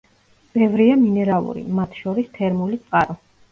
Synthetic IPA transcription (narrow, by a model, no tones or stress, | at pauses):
b̥ɛvɾiaminɛɾalˠṵɾḭmat̪ʰʃɔɾist̪ʰɛɾmulit̪sʼqʼaɾɔ